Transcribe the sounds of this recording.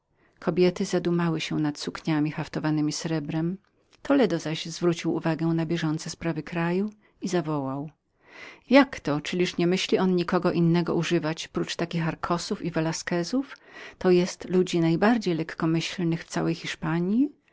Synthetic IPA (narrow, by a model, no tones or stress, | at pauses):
kʰɔbʲjɛt̪ɘzad̪umawɘɕɛnat̪sukɲamʲixaft̪ɔvanɘmʲisɾɛbɾɛm | t̪ɔlɛd̪ɔzaɕzvɾut͡ɕiwṵvaɡɛ̃nabʲjɛʐɔnt̪sɛspɾavɘkɾaju | izavɔwaw | jakt̪ɔt͡ʂɘlʲiʂɲɛmɘɕlʲiʔɔnɲikɔɡɔʔinːɛɡɔ̰ʔuʐɘvat͡ɕpɾut͡ʂt̪akʲixaɾkʰɔsufivɛlaskɛzuft̪ɔjɛst̪lud͡ʑinajbaɾd͡ʑejlɛkːɔmɘɕlnɘxft̪sawɛjxʲiʂpaɲi